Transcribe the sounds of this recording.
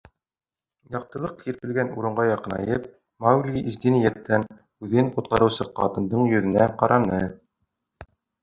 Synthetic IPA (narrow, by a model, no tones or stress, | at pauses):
jɑq̚t̪ɤ̆lˠɤq̚kiɾpɘ̆lɡænṵɾɤ̆ɴɢɑjɑqɤnɑ̰jɤp | mawɡlʲiʔizɡinijæt̪ːæn | ʉðɘŋqŭt̪̚qɑɾɤ̆wsɤqɑ̰t̪ɤ̆nd̪ɤɴjɵ̆ðɘ̆næqɑɾʔɑnɤ